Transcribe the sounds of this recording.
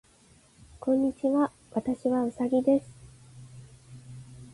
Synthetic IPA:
kõ̞ɲ̟ːit͡ɕiβa | βat̪aɕiβaɯ̟saɡʲid̪e̞sɨ̥

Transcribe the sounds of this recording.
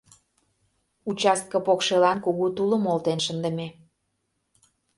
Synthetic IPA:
ut͡ɕɑst̪̚kəpokʃelɑnkuɣut̪uləmolt̪enʃənd̪ə̆me

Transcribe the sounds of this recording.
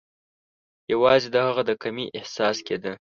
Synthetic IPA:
jawɑzid̪əhaɣad̪əkamiʔɪhsɑsked̪ə

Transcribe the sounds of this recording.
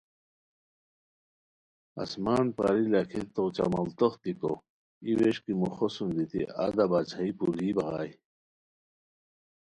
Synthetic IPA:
ɐ̰smaːnpa̰ɾilakʰit̪ot͡ɕa̰mɐlt̪oχt̪iko̰ | iweɕkimuxosund̪it̪ḭa̰d̪abaːt͡ɕʰaipuliːbɐɣa̰ːj

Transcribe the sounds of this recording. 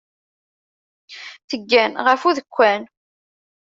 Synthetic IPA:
θəɡːænʁəfuðəkʷːæn

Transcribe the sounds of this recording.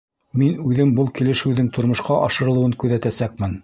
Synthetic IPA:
minʉðɘmbɤlˠkilɘ̆ʃɘ̆wðɘŋt̪ŏɾmŏʃqɑʔɑʃɤ̆ɾɤ̆lˠɤ̆wɤŋkʉðæt̪æsæk̚mɘn

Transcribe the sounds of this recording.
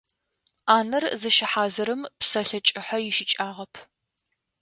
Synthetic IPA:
aːnɐrzɨʃɪħaːzɐɾɨmpsɐɬɐt͡ʃʼɪħɐjɪʃɪt͡ʃʼaːʁɐpʰ

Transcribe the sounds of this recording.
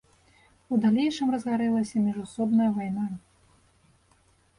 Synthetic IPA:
ud̪alʲejʂɨmrɐzɣaɾɛlˠɐsʲɐmʲiʐusɔbnɐjɐvajna

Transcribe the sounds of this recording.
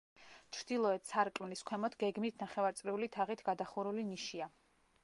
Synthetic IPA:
t͡ʃʰɾd̪̥ilˠɔɛt̪ʰsaɾkʼmliskʰwɛmɔt̪ʰɡɛɡmit̪ʰnaχɛvaɾt̪sʼɾiulit̪ʰaʁit̪ʰɡ̥ad̪aχuɾuliniʃia

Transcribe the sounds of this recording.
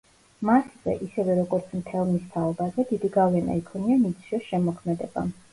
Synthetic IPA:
masz̥ɛ̰ʔisɛvɛɾɔɡɔɾt̪sʰmt̪ʰɛlˠmist̪ʰaɔbazɛd̪id̪iɡavlɛna̰ikʰɔnianit̪sʰɔsʃɛmɔkʰmɛd̪ɛba̰

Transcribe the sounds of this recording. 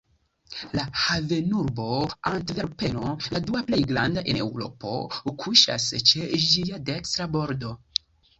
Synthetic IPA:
lahave̞nuɾbo̞antve̞ɾpe̞noladuaple̞jɡɾandaʔe̞ne̞wɾo̞̰po̞̰kʰuʃa̰st͡ʃe̞d͡ʒiade̞kst̪ɾabo̞ɾdo̞

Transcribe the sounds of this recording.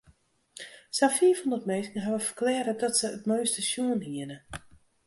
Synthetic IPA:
safiəfɔndətmeːskn̩əɦaʋəfə̥rklɛːɾədɔtsəətmoɥstəsjuənɦiənə

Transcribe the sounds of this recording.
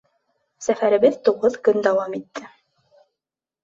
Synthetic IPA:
sæfæɾɘ̆βɘðt̪uʁɤðkɵnd̪ɑwɑmit̪ːɘ

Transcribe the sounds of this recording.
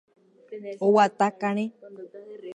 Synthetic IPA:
owat̪akaɾ̃ẽ

